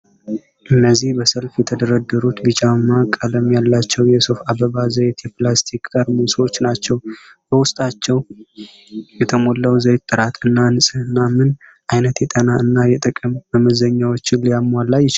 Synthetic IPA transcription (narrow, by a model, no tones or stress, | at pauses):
ʔɨnːəzːihbəsəlfjɛt̪ʰəd̪əɾəd̪ːəɾut̪bɨt͡ʃʼamːakʼaləmjalːat͡ʃːɛwjɛsufabəβazəwt̪jɛplast̪ʰikʼkʼəɾmunso̞t͡ʃːnat͡ʃːɛw | b̥əwʊst̪ʼat͡ʃːɛw | jɛt̪ʰəmo̞lːəwzəjt̪ʼːɨɾat̪ɨnːanɨsʼɨɨnːamɨn | ʔajnət̪jɛt̪ʼənaɨnːajɛt̪ʼəkʼɨmːəməzəɲːawo̞t͡ʃːɪnlijamːalːajɪt͡ʃ